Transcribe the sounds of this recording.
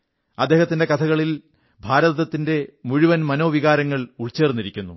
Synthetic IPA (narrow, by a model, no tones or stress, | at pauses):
ɐd̪ːe̞ːhɐt̪ːinde̞kɐt̪ʰɐɣɐɭil | bʱaːɾɐðɐt̪ːinde̞muɻuʋɐnmɐno̞ːʋiɣaːɾɐŋːɐɭuɭt͡ɕːe̞ːrnːiɾikʲːunːu